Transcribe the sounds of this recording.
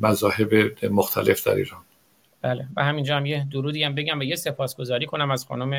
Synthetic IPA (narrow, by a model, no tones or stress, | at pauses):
mæzɒːhebemoxt̪ʰæle̞fd̪æ̰ɾḭːɾɒːn | b̥æːlevæhæmind͡ʒɒːhæmjed̪oɾuːd̪iːhæmbe̞ɟæmvæjese̞pʰɒːsɡ̥o̞zɒːɾiːkʰonæmæz̥xɒ̰nume